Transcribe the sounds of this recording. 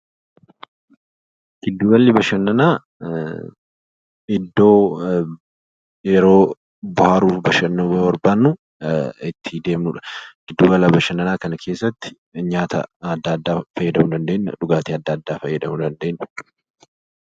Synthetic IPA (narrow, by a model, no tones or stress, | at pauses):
ɡ̥ɪd̪ːuːɡɐlːɪbɐʃɐnːɐnaː | ɪd̪ːo̞ː | jɛɾo̞ː | bʊhaːɾuːfbɐʃɐnːuːbɐbɐɾbaːnːʊ | ɪt̪ʰːid̪eːmnuᶑɐ̥ɡ̥ɪd̪ːuːbɐlɐbɐʃɐnːɐnaːkɐnɐkʰe̞ːsːɐt̪ːɪ̥ | ɲaːt̪ɐ̰ɐd̪ːɐːd̪ːaːfɐjːɐd̪ɐmud̪ɐnd̪e̞ːnːɐ̰ᶑʊɡaːt̪iːɐd̪ːɐːd̪ːaːfɐjːɐd̪ɐmud̪ɐnd̪e̞ːnnːɐ̥